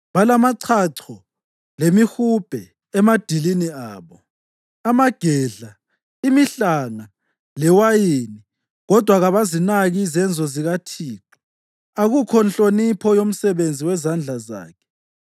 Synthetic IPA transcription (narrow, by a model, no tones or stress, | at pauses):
βalamaǀʰaǀʰɔ | lemixub̥ʱɛ | ɛmad̥ʱiliniaːβɔ | amaɡ̥ʱɛɮa | imiɬaŋa | lɛwajeːni | ɣɔd̥ʱwaɣaβazinaɣizɛnd͡zʱɔziɣatʰiːǀɔ̥ | aɣukʰɔnɬʼonipʰɔjom̩sɛβend͡zʱiwɛzand͡ɮʱaza̰ːkʰɛ̥